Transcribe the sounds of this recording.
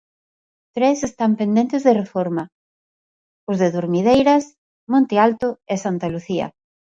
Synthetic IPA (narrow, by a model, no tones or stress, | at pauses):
t̪ɾesest̪ampend̪ẽnt̪ezðerefɔɾma | ʊzðeðuɾmið̞ejɾɐs | mõnt̪ealt̪ʊesant̪aluθiɐ̰